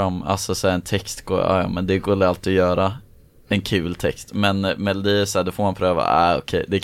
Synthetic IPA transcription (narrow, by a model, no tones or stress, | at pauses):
amːa̰lsɔsæɾɛnt̪ʰɛkst̪ɡ̥o̰ːɑ̰ːjɑ̰ːmɛnd̪ɛɡoːd̪ɛalt̪ɪɔjœːɾa | ɛnkʰʉ̟ːlt̪ʰɛkst̪mɛnmɛlʊd̪iːɛsæːɖ̪ɔfoːɾmanpʰɾøːva̰æːɔ̰kʰɛjd̪ɛ